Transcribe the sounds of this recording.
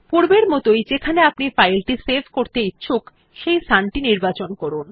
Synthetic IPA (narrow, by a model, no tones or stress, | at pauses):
puɾbeɾmɔt̪ojd͡ʑekʰaneapnifajlʈisebʱkoɾt̪eitːɕʰuk | ʃejsanʈiniɾbat͡ɕonkɔɾun